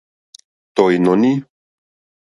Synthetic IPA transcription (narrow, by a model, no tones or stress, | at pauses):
t̪ojnɔni